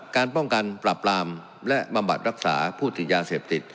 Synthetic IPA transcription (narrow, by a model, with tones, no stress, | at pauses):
kaː˧npɔ˥˩ŋka˧npɾa˨˩plaː˧m | lɛ˦˥ʔba˧mba˨˩t̪̚ɾa˦˥k̚sa̰ː˩˦pʰuː˥˩t̪i˨˩t̪̚jaː˧seː˨˩p̚t̪i˨˩t̪̚